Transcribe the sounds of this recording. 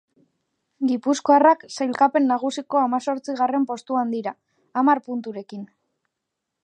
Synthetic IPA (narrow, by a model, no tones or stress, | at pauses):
ɡipusko̞araksajlkape̞nːaɣ̞usiko̞amaso̞ɾt͡siɣ̞are̞mpo̞st̪uand̪iɾaː | maɾpunt̪uɾe̞kin